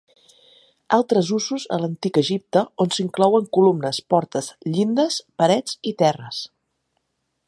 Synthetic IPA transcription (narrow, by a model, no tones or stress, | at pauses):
alˠt̪ɾəzuzuzə̰lənt̪ikəʒip̚t̪əonsiŋklɔwəŋkulumnəspɔɾt̪əsʎind̪əspəɾɛd͡zit̪ɛrəs